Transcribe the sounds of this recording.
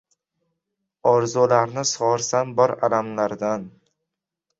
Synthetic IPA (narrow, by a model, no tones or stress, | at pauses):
ɒɾzulaɾnɪsɒɾsanbɒɾalamlaɾd̪an